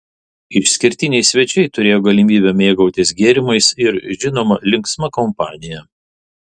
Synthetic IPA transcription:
ɪʃʲsʲkʲɪɾʲt̪ʲɪnʲɛɪsʲʋʲɛt͡ʃʲɛɪt̪ʊɾʲeːjoːɡɐlʲɪmʲiːbʲɛmʲeːɡɐʊt̪ʲɪsɡʲeːɾʲɪmɐɪsɪɾʒʲɪnoːmɐlʲɪŋksmɐkɔmpɑːnʲɪjɛ

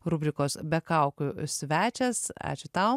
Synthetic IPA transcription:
ɾʊbʲɾʲɪkoːsbʲɛkɐʊkʲʊsʲʋʲæːt͡ʃʲɛsɑ̰ːt͡ʃʲʊt̪ɐʊ

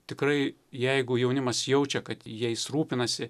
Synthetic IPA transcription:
t̪ʲɪkrɐɪjɛɪɡʊjɛʊnʲɪmɐsjɛʊt͡ʃʲɛkɐt̪jɛɪsruːpʲɪnɐsʲɪ

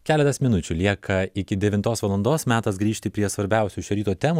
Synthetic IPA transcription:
kʲæːlʲɛt̪ɐsmʲɪnʊt͡ʃʲʊlʲiɛkʰɐɪkʲɪd̪ʲɛʋʲɪnt̪oːsʋɐlˠɐnd̪oːsmʲæːt̪ɐsɡɾʲiːʃʲt̪ʲɪpʲɾʲiɛsʋɐɾʲbʲɛˑʊsʲuʃʲɛɾʲiːt̪uːt̪ʲɛːmu

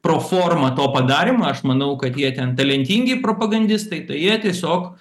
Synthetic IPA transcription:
pɾoːfoːrmɐt̪oːpɐd̪ɑːɾʲɪmɐːɐʃmɐnɐʊkɐt̪jiɛt̪ʲɛnt̪ɐlʲɛnʲt̪ʲiːŋʲɡʲɪpɾoːpɐɡɐnʲd̪ʲɪst̪ɐɪt̪ɐɪjiɛt̪ʲiɛsʲoːk

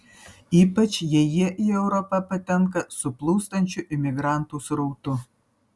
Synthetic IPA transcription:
iːpɐt͡ʃjɛjiʔiɛʊɾopɐpɐt̪ʲɛŋkɐsʊplˠuːst̪ɐnʲt͡ʃʲuʔɪmʲɪɡɾɑnt̪usɾuːt̪ʊ

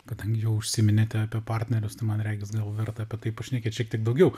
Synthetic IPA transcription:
kɐd̪ɐŋʲɡʲɪjɛʊʊʃʲsʲɪmʲɪnʲɛt̪ʲɪɑpʲipɑrʲt̪ʲnʲɛɾʲʊst̪ɐɪmɐnɾʲæːɡʲɪsɡɐlˠʋʲɛrt̪ɐɐpʲiɛt̪ɐɪpoʃʲnʲɛkʲett͡ʃʲiɛk̚t̪ʲɪɛkd̪ɐʊɡʲɛʊ

